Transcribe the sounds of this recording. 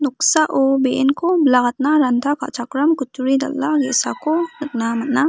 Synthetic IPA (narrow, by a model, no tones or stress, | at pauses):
nʊksaʔobeʔnkoblaɡat̪̚naɾand̪ʰʱaka̰ʔt͡ʃakɾɐmkʊt̪ːuɾid̪ɐ̰lːaɡḛsakonət̪namɐt̪na